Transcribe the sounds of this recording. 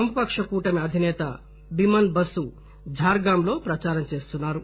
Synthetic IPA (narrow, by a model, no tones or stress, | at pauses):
ɐmpɐkʂɐkuːʈɐmeɐd̪ʱineːt̪a | bimɐnbɐsu | d͡ʒʱaːɾɡaːmloːpɾɐt͡ʃaːɾɐmt͡ʃeːst̪unːaːɾu